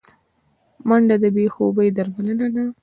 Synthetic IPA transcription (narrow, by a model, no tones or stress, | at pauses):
maɳɖad̪əbexobəjd̪aɾmalənad̪a